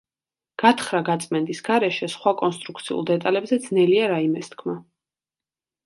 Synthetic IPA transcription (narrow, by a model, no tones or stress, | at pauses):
ɡ̥at̪ʰχɾaɡat̪sʼmɛnd̪ʼisɡaɾɛʃɛsχwakʼɔnst̪ʼɾukʰt̪sʰiṵlˠd̪ɛt̪ʼalɛbzɛd̪znɛliaɾaimɛst̪kʰma